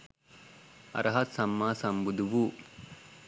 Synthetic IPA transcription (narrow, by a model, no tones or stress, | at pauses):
ɐ̰ɾʔɐɦɐt̪sɐmːaːsɐmbud̪uʋu